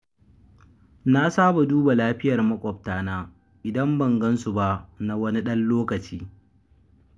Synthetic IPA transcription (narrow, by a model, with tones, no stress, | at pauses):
na˦saː˦ba˨duː˦ba˨laː˦ɸɪ˦jɐ˨rmɐ˦kʷʼɔ˨ptaː˦naː˦ | ʔɪ˨dɐ˦mbɐ˨ŋɡɐ˦nsu˨ba˦ʔna˨wɐ˦ni˦ɗɐ˦nloː˦kɐ˨t͡ʃiː˦